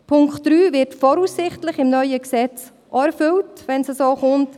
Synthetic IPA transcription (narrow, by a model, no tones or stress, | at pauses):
pʰʊŋkχtɾyːvɪɾtfɔɾuːsːɪχtlɪχɪmnœʏəksɛt͡s | ʔɑɛɾfʏltʋɛnsəsoːχʊnt